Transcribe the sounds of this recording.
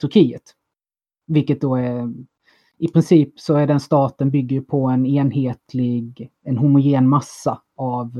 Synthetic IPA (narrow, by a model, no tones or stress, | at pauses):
t̪ʰɵɾkʰiːət̪ | vɪlkːət̪̚d̪ɔæɾ | ɪpʰɾɪnsiːpsɔæɖɛnst̪ɑːt̪ənbʏɡːəjɵpʰɔɛneːnɦeːt̪ʰlɪɡɛnɦʊmʊjeːnmasːa | av